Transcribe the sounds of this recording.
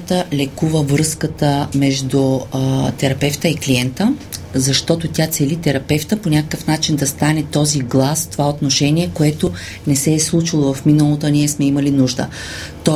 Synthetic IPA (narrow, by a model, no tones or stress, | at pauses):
t̪əlɛkuvəvɾɤskət̪əmɛʒd̪ut̪ɛɾɐpɛft̪əikliɛnt̪əzɐʃt̪ɔt̪ot̪ʲjat̪sɛlit̪ɛɾɐpɛft̪əponʲakəkəfnat͡ʃind̪ɐst̪anɛt̪ɔziɡlˠasft̪ovaot̪noʃɛnʲiɛkoɛt̪o | nɛsɛːslˠut͡ʃilˠovɐfminəlˠot̪oɐniɛsmɛimɐlinuʒd̪ə̰ | t̪ɔ